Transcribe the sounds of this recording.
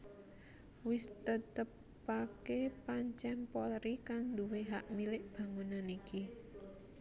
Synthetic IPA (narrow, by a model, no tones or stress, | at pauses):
wɪst̪ət̪əpː | akepaɲt͡ʃɛmpɔlɾikaŋd̪uweɦaʔmilɪʔb̥a̤ŋunaniki